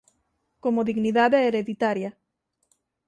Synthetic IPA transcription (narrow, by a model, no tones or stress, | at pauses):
komoðiɣniðaðeeɾeðit̪aɾja